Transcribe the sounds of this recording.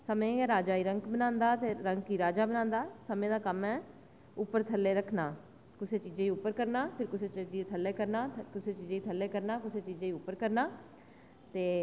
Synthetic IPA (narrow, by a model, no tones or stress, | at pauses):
səmẽːɾaːd͡ʒaːiːɾəŋkbənãːnd̪aːt̪eːɾəŋkiːɾaːd͡ʒaːbənaːnd̪aːsəmẽːd̪aːkəmɛː | ʊpːəɾt̪ʰəlːeːɾəkʰnaː | kʊseːt͡ʃiːzẽːiːʊpːəɾkəɾnaːpʰɪɾkʊseːt͡ʃːd͡ʒiːt̪ʰəlːeːkəɾnaːkʊseːt͡ʃiːzẽːiːt̪ʰəlːeːkəɾnaːkʊseːt͡ʃiːzẽːiːʊpːəɾkəɾnaː | t̪eː